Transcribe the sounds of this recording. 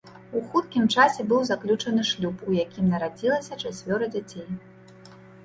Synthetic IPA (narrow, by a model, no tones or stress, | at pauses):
uxut̪kʲimt͡ʂasʲɛbɨwzaklʲut͡ʂɐnɨʂlʲupujakʲimnɐɾad͡zʲilˠɐsʲɐt͡ʂasʲvʲɔɾɐd͡zʲat͡sʲej